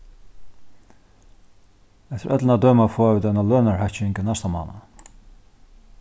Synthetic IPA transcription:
ɛt̪ɪɾʔœt̪lənad̪øːmafɔːavuːt̪analøːnaɹhaht͡ʃŋkənast̪ama̰ːna̰

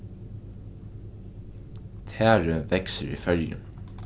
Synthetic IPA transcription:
t̪ʰæːɹəʋɛksəɹḭːfœljə̰n

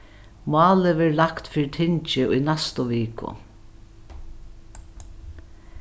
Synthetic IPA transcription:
mɑːlɪʋɛːɹlakt̪fiːɾɪt̪ʰɪɲt͡ʃɪʊjnɛst̪ʊʋiːkʊ̰

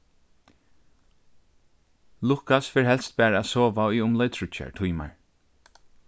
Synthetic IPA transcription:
lʊkasfɛɹɦɛlst̪̚bæːɹaæsɔːʋauʊmlœʏt̪ʰɹʊt͡ʃːa̰ɹtʰujma̰ɹ

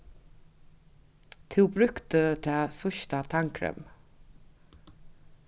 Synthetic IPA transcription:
t̪ʰɪwbɾʉkt̪ət̪ʰɛːsʊʃt̪at̪ʰaŋkʰɾɛ̰m

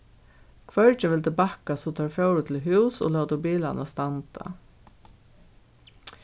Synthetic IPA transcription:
kʰʋœɹt͡ʃəʋɪlt̪ɪbakasɔt̪ʰɑːɹfœwɾʊt̪ʰɪlɦʉːso̰lɔːwt̪ʊbiːla̰nast̪ant̪a̰

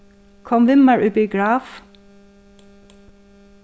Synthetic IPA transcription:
kʰɔmʋɪməɹʔʉbiɡɹɑːf

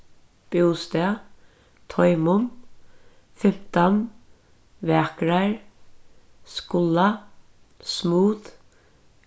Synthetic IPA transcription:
b̥uːst̪ɛa | t̪ʰɔjmʊm | fɪm̥t̪an | vɛːkɾaɹ | skʊla | smuːt̪

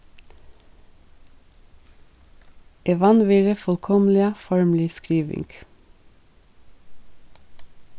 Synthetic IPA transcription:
ʔɛʋɑnʋeːɾəfɔlkʰɔmlɪəfɔɹmlɪskɾiːʋɪ̰ŋɡ̥

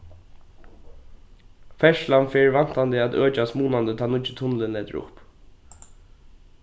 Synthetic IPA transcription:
fɛʃlanfɛːɹʋan̥t̪and̪ɪæt̪øːt͡ʃasmuːnand̪ət̪ʰɑːnʊt͡ʃə̥t̪ʰʊnlɪnlɛːt̪ə̰ɹʊ̰p

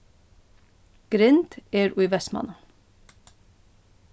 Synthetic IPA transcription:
ɡ̥ɾɪnt̪eːɾʔʉʏʋɛsmɑ̰nɑ

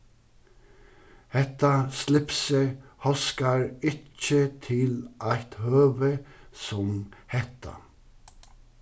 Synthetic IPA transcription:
hɛt̪ɑslɪpsəhɔskɑɹɪt͡ʃət̪ʰɪlʔæɪt̪høːʋəsɔmhɛt̪ʰɑ̰

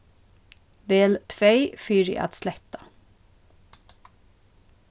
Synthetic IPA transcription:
ʋeːlt̪ʰʋeɪfyːɹḭʔɑ̰ːt̪slɛt̪ɑ̥

